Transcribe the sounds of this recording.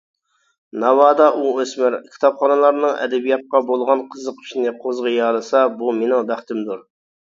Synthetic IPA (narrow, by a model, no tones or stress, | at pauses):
nɑwɑːd̪ɑʔuøsmɪɾkʲʰi̥t̪ʰɑpχɑnɨlˠɑɾnɨŋʔɛ̰d̪ɛbijɑt̪̚qɑbolˠʁɑnqʰəzəq̚i̥ʃnɪqʰozʁəjɑlˠɨsɑbumenɪŋbæχt̪ɪmd̪uɾ